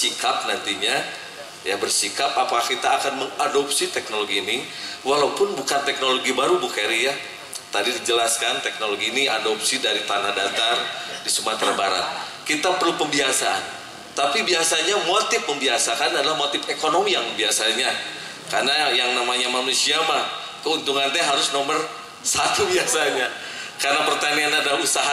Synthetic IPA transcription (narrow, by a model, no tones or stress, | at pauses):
sikap̚nant̪iɲa | jabərsikap̚apakahkit̪aːkanməŋadop̚sit̪ɛk̚noloɡiːniwalaupʊnbukant̪ɛk̚noloɡibaɾubukɛɾija | t̪adidid͡ʒəlaskant̪ɛk̚noloɡiːniadopsidaɾit̪anahdat̪ardisəmat̪ɾabaɾa̰t̪̚kit̪apərlupəmbiasaa̰n | t̪apibiasaɲamot̪ɪfməmbiasakanadalahmot̪ɪfekonomijaŋmbiasaɲa | karnajaŋnamaɲamanusiamah | kəunt̪uŋanaɦaɾʊsnomər | sat̪ubiasaɲa | karnapərt̪anianadalausaɦa